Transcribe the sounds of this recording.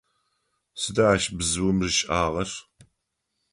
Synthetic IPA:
sɨdaaʃbzɨwʊmʐɨʃʼaːʁɐr

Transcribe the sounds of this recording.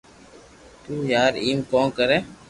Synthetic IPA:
t̪uːjaːɾiːmkõːkəɾeː

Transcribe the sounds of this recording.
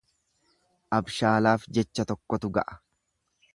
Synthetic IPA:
ʔɐbʃaːlaːfd͡ʒɛt͡ʃːɐt̪ɔkːɔt̪ʊɡɐ̰ʔɐ̥

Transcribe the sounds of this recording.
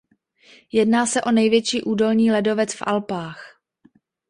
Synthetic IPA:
jɛdnaːsɛʔo̞nɛjvjɛt͡ʃiːʔuːdo̞lɲiːlɛdo̞vɛt͡sfʔa̰lpaːx

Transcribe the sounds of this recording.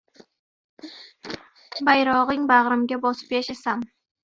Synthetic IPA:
bajɾɒʁɨŋbaʁɾɪmɡʲabɒsɨ̥peʃasam

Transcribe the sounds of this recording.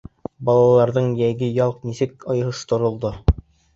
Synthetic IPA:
bɑlˠɑlˠɑɾðɤɴjæjɡɘjɑlˠqnisɘkɑj̆ɦɤst̪ŏɾŏlˠd̪o

